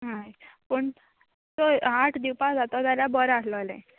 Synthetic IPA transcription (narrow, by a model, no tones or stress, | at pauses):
ɦajpəɳ | t̪oaʈʰd̪iwpãd͡zat̪ɔd͡z̪aljabəɾasləlɛ̰̃